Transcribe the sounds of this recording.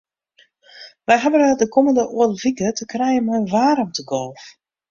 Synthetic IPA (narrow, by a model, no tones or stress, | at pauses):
ʋɛjɦabənadəkʰɔməndəʔuəlfikətəkrɛjəmɛʋaːɾɔmtəɡɔlˠf